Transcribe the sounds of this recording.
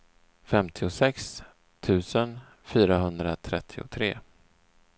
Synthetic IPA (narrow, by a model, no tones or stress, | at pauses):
fɛmt̪ʰɪʊsɛks | t̪ʰʉ̟ːsən | fyːɾaɦɵnd̪ɾat̪ʰɾɛt̪ʰːɪʊ̰t̪ʰɾeː